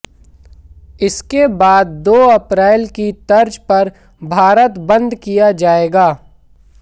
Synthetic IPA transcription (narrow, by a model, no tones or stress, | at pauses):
ɪskebaːd̪̚ːoːɐpɾɛːlkit̪ɐɾd͡ʒpɐɾ | bʱaːɾət̪bɐ̃nd̪kijad͡ʒaːeːɡaː